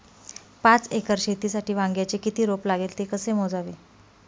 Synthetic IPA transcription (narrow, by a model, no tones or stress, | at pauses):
pãt͡sekəɾɕet̪iːsaʈʰiːʋãŋɡjat͡ɕekit̪iːɾoplaɡelt̪ekəsemod͡zaʋiː